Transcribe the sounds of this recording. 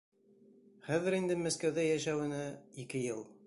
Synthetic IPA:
χæðɘ̆ɾind̪ɘmæskæwðæjæʃæwɘ̆næikɘjɤlˠ

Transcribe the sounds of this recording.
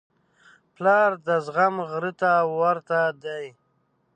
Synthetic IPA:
plɑɾd̪əzɣamɣɾət̪awaɾt̪ad̪aj

